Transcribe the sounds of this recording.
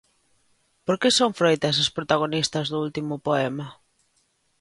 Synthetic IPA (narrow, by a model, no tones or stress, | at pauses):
poɾkesoŋfɾojt̪ɐs̬ɐspɾot̪aɣ̞onist̪ɐzðʊult̪imʊpoɛmɐ